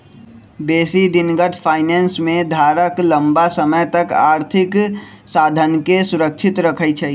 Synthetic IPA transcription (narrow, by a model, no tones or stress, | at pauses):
beːsid̪inɡəʈ̪ʰpʰaːɪneːnsmẽd̪ʱaɾəklə̃mbasəməjt̪əkaːɾt̪ʰɪk | saːd̪ʱənkesʊɾək̚t͡ʃʰɪt̪ɾəkʰət͡ʃʰɛ